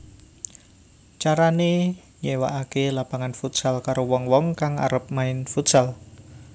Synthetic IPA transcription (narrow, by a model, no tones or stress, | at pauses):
t͡ʃaɾane | ɲewaʔakelab̥a̤ŋanfut̪salkaɾowɔŋwɔŋkaŋa̰ɾəp̚maɪnfut̪sal